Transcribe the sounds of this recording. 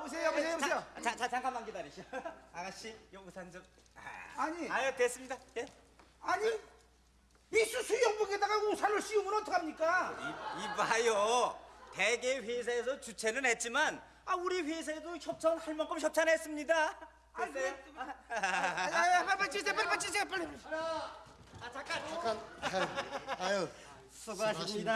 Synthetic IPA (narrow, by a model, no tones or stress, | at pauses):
bus̬ʰejjoseeot͡ɕat͡ɕat͡ɕaŋkʰamanɡidaɾiɕʰoaɡaɕijʌɡusʰand͡ʑʌ | aɲiajʌtes͈ɯmɲidaje | aɲi | is͈usʰujʌŋbuɡedaɡasʰaɭɯɭɕ͈iumɯnʌtʰʌkʰamɲik͈aibajo | teɡeɸes̬ʰaes̬ʰʌt͡ɕut͡ɕʰe̞nɯnhe̞t̚t͡ɕ͈iman | auɾiɸesʰaedoçʰʌp̚t͡ɕʰanhaɭmʌnk͈ʌmçʰʌp̚t͡ɕʰanɦes͈ɯmɲida | jpapat͡ɕ͈isʰepaɭpat͡ɕ͈isʰepali | at͡ɕak͈ak | jo